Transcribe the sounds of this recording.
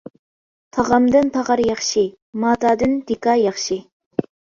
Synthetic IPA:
t̪ʰɑʁɑmd̪ɨnpʰɑʁɑɾjɑχʃi | mɑːt̪ʰɑːd̪ɪnd̪̥ɪkɑjɑχʃi

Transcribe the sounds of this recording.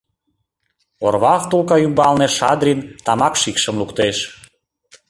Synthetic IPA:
orβɑft̪ulkɑymbɑlneʃɑd̪ɾʲint̪ɑmɑkʃikʃə̆mlukt̪eʃ

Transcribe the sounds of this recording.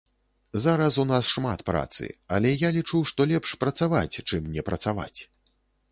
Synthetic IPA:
zaɾɐsunasʂmat̪pɾa̰t̪sɨ̰ɐlʲɛjalʲit͡ʂuwʂt̪ɔlʲɛpʂpɾɐt̪sava̰t͡sʲt͡ʂɨmnʲɛpɾɐt̪sava̰t͡sʲ

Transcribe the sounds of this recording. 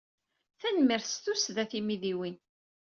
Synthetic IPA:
θænmiɾθst̪usðæθimiðiwin

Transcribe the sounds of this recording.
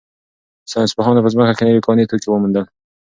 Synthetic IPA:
sɑnɪspəɦɑnapəzməkakenawekʰɑnet̪ukewəmund̪əl

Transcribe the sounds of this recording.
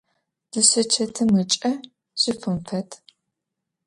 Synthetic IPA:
d̥ɨɕɐt͡ʃʰɐtʰɨmɨt͡ʃʼɐ | ɕɪfɨmfɐtʰ

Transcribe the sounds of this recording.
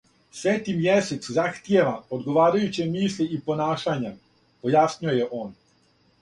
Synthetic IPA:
sʋeːt̪imjeset̪szaxt̪jeʋaod̪ɡoʋaːɾajut͡ɕemiːslʲiipo̞naːʃaɲa | pojasɲujojeʔoːn

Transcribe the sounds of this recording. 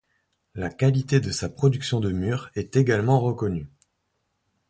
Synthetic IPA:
lakalit̪ed̪əsapχɔd̪yksjɔ̃d̪əmyːʁɛt̪eɡalmɑ̃ʁəkɔny

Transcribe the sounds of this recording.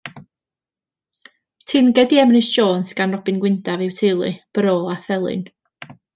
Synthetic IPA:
tʰɪnɡɛdiɛmnɨsʃoːnsɡ̥anrɔbɨnɡwɪndavɪwtʰɪlˠɨ̰b̥əɾoːaθɛlˠɨ̰n

